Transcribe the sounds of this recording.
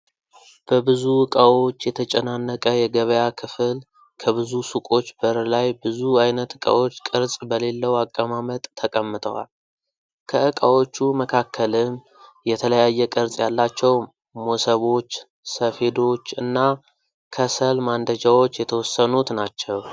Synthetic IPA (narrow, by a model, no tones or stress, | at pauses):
b̥əbɨzuwɨkʼawo̞t͡ʃːjɛt̪ʰət͡ʃʼənanːəkʼəjɛɡəβəjakʰɨfɨl | kʰəβɨzusukʼo̞t͡ʃːbəɾlajbɨzuajnət̪ɨkʼa̰wo̞t͡ʃːkʼɨɾsʼbəle̞lːəwakʼːəmamət̪ʼːʰəkʼəmːɨt̪ʰʼəwa̰l | kʰəɨkʼawo̞t͡ʃːuməkʰakːəlɨm | jɛt̪ʰələjajːɛkʼɨɾt͡sʼjalːat͡ʃːɛw | mo̞səβo̞t͡ʃː | səfe̞d̪o̞t͡ʃːɨnːa | kʰəsəlmand̪əd͡ʒawo̞t͡ʃːjɛt̪ʰəwɔsːənut̪nat͡ʃːɛw